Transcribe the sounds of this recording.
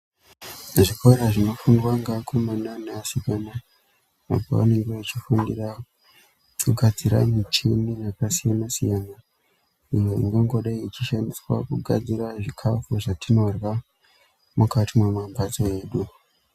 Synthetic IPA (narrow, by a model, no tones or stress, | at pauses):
ʐikʰoɾaʐino̞fundwaŋɡakʰomananeasikana | a̰pa̰a̰ne̞ŋɡeit͡ʃifundira | tʰuɡʱad͡ziɾa̰mit͡ʃininakasijanasijana | ijoḭŋɡeŋɡo̞ɗaiit͡ʃiʃandiswa̰kuɡʱa̰d͡ziɾaʐikʰafuʐatʰino̞rwa | mukatimwemambat͡soe̞ːɗu